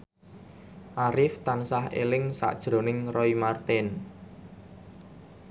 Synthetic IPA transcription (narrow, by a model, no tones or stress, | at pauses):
ʔaɾɪft̪ansaɦḛlɪŋsa̰ʔd̥ʒ̥ɾo̤nɪŋrɔimart̪ɪn